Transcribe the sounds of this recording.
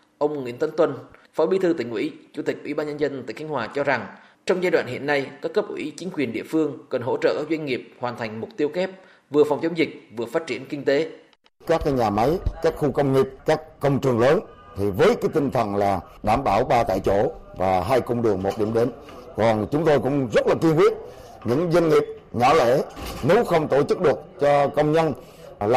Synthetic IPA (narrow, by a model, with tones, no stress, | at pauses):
ʔə˧wŋ͡mŋwḭ˧˥ənt̪ə˨˦nt̪wə˧nfɔ˨˦ɓi˨˦t̪ʰɨ˧t̪ï˧˩ŋ̟wḭ˧˥t͡ɕu˧˥t̪ï˨˩k̚ʔwḭ˧˩˦ɓaː˧nɲə˧nzə˧nt̪aː˧˨ka˨˦ŋ̟hwaː˨˩t͡ɕɔ˧za˨˩ŋ | t͡ɕɔ˧wŋ͡mzaː˧jɗwa̰ː˧˨nhḭ˧˨ənːa˧jkaː˦˥kːə˦˥p̚ʔwḭ˧˥t͡ɕï˨˦ŋ̟kwi˨˩ənɗḭ˧˨əfɨ˧əŋkə˨˩nɦo̰˧˥t͡ɕə̰ː˧˨ʔzwa˧ŋ̟ŋi˨˩əp̚hwaː˨˩nt̪ʰa˨˩jŋ̟mʊ˨˩k͡p̚t̪i˧əwxɛ˦˥p̚ | vɨ˨˩əfa˨˩wŋ͡mt͡ɕɔ˨˦ŋ͡mzï˨˩k̚vɨ˨˩əfaː˦˥t̚t͡ɕi˧˩ənkï˧ŋ̟t̪e˨˦ | kaː˦˥k̚ːaː˨˦jɲaː˨˩ma˨˦jkaː˦˥k̚xu˧kə˧wŋ͡mŋi˨˩p̚kaː˦˥k̚ːə˧wŋ͡mt͡ɕɨ˨˩əŋləː˨˦nt̪ʰi˨˩vəː˨˦jka˨˦jt̪ï˧ŋ̟t̪ʰə˨˩nlaː˨˩ | ɗaː˧˩mɓaː˧˩wɓaː˧t̪a̰ː˧˨jt͡ɕo˧˩vaː˨˩ɦaː˧jkə˧wŋ͡mɗɨ˨˩əŋmo˨˩t̚ɗi˧˩mɗe˨˦n | kɔ˨˩nt͡ɕʊ˨˦ŋ͡mt̪o˧jkʊ̰˧˥ŋ͡mzə˦˥t̚laː˨˩ki˧əŋkwi˦˥ət̚ | ɲɨ̰˧˥ŋzə˧nŋi˨˩əp̚ | ɲɔ˧˦lḛ˧˩ne˨˦wxə˧wŋ͡mt̪o˧˩t͡ɕɨ˦˥k̚ɗɨ˨˩ək̚t͡ɕɔ˧kə˧wŋ͡mɲə˧n | l